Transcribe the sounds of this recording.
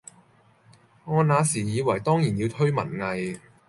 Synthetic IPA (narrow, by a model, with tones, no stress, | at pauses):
ŋɔː˨˧naː˨˧siː˨˩jiː˨˧wɐ˨˩jt̪ɔː˥ŋjiː˨˩njiː˧wt̪ʰɵ˥ɥmɐ̰˨˩nŋɐ˨j